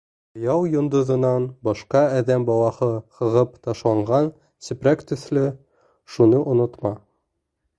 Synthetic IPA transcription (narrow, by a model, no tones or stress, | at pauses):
ŏjɑwjŏnd̪ŏðɤ̆nɑnbɒʃqɑæðæmbɒwɑhɤhɤ̆ʁɤpt̪ɑʃlˠɑɴʁɑn | sɘ̆pɾækt̪ɵ̆θlɘ | ʃunɤʔŏnŏt̪mɑ